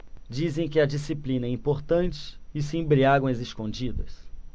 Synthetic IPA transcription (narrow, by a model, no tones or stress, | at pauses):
d͡ʒizẽj̃kɪɐd͡ʒisiplĩnɐɛĩpoɾt̪ɐ̃nt͡ʃɪ̥ɪsɪẽbɾiaɡwɐ̃zɪskõd͡ʒid̪ɐ̰s